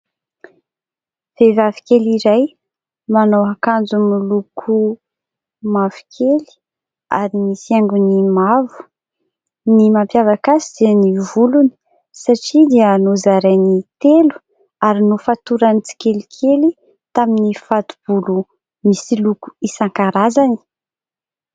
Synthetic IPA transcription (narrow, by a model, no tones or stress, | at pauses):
v̥evavi̥keliɾaj | manawɦakand͡zumilukʰu | mavu̥kʰeli̥ | aɾimisaŋɡunimavu̥ | nimampjavakasiz̥enivuluni̥ | saʈ͡ʂid̪eanuzaɾajnit̪elu̥ | aɾinufat̪uɾanit͡si̥kʲelikʰeli | t̪aminifat̪ub̥ulu | misiluku̥isaŋkaɾazani̥